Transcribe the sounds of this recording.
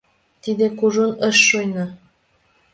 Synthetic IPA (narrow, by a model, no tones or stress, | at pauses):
t̪id̪ekuʒunəʃːojnɑ